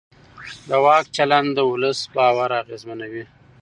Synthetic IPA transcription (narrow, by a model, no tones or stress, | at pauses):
d̪əwɑkt͡ʃaland̪d̪əʊləsbɑwaɾaɣezmanawi